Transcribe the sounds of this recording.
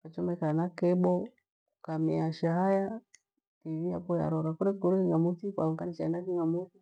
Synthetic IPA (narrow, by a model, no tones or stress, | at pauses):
kat͡ʃɔmɛkanakɛbɔ | kamiaʃaɦaja | tiviapɔja̰ɾɔɾakuɾɛɡɔɾukiŋamutika̰ɔŋɡanit͡ʃaɛnakiŋɡamuti